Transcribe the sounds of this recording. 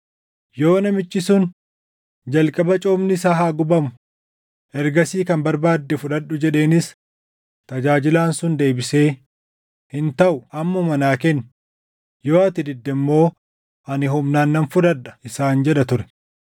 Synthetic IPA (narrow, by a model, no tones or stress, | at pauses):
jo̞ːnɐmɪt͡ʃʼːɪsʊn | d͡ʒɐlkʼɐbɐt͡ʃʼoːmnɪsaɦaːɡʊbɐmʊ | ʔɛɾɡɐsiːkɐmbɐɾbaːd̪ːɛfʊᶑɐɗːʊd͡ʒɛᶑe̞ːnɪs | t̪ɐd͡ʒaːd͡ʒɪlaːnsʊnd̪e̞ːbɪse̞ː | hɪnt̪ɐʔʊʔɐmːʊmɐnaːkɛnː | joːɐt̪ɪd̪ɪd̪ːɛmːo̞ː | ʔɐnɪɦʊmnaːnːɐnfʊᶑɐᶑɐ̥ɪsaːnd͡ʒɛᶑɐt̪ʊɾɛ̥